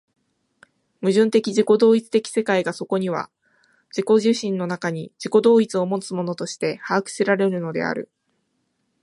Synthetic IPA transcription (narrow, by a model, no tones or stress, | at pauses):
mɯ̟ʑɨ̃nt̪e̞kʲid͡ʑiko̞d̪o̞ːit͡sɨ̥t̪e̞kʲi̥se̞kaiɡaso̞ko̞ɲ̟iβa̰ | d͡ʑiko̞ʑɨːɕĩnːo̞nakaɲ̟id͡ʑiko̞d̪o̞ːit͡sɨo̞mo̞t͡sɨmo̞no̞t̪o̞ɕi̥t̪e̞haːkɯ̟̥siɾaɾe̞ɾɯ̟no̞d̪e̞̰a̰ɾɯ̟̰